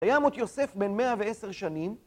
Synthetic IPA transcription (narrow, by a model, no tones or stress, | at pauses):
kajamot̪jo̞se̞fbenme̞aveeseʁʃanim